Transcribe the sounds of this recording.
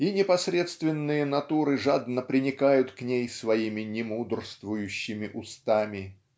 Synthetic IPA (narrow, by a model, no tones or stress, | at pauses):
inʲɪpɐsɾʲe̞t̪st̪vʲɪnːɨjənɐt̪uɾɨʐad̪nəpɾʲɪnʲɪkajʊt̪knʲejsvɐimʲɪnʲɪmud̪rst̪vʊjʉɕːɪmʲɪʔʊst̪amʲɪ